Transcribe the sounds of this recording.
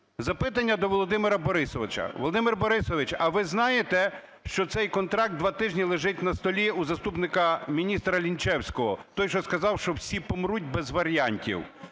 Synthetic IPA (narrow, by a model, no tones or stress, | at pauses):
zɐpɪt̪ɐnʲːɐd̪ɔʋɔlˠɔd̪ɪmɪɾɐbɔɾɪsɔʋɪt͡ʃɐ̰ʋɔlˠɔd̪ɪmɪrbɔɾɪsɔʋɪt͡ʃɐʋɪznɑjet̪ɛ | ʃt͡ʃɔt̪sɛjkɔnt̪ɾɑk̚t̪d̪ʋɑt̪ɪʒnʲilˠeʒɪtʲnɐst̪ɔlʲiuzɐst̪upnɪkɐmʲinʲist̪ɾɐlʲint͡ʃɛwsʲkɔɦɔt̪ɔjʃɔskɐzɑwʃt͡ʃɔwsʲipɔmɾutʲbɛzʋɐɾʲijanʲtʲḭw